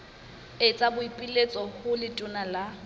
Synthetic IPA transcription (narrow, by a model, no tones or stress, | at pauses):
et͡sʼabʊipʼilet͡sʼɔhʊlɪtʼʊnala